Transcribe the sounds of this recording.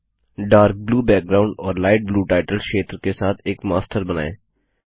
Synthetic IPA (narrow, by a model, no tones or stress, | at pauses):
ɖaːɾk̚bluːbɛːk̚ɡɾaːʊ̃ɳɖɔːɾlaːɪʈ̚bluːʈaːɪʈəlʃeːt̪ɾkesaːt̪ʰeːkmaːsʈəɾbɐna̰ːḛː